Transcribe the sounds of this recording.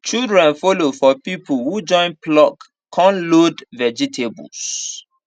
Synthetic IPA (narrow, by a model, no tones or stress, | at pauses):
t͡ʃildɹɛ̃nfolofɔpipuhud͡ʒɔ̃ɪ̃nplɔk | kʰːɔ̃nlodvɛd͡ʒitʰebṵls